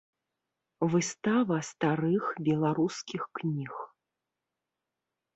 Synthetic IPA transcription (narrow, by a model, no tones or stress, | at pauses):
vɨst̪avɐst̪aɾɨxbʲɛlˠaɾuskʲixknʲix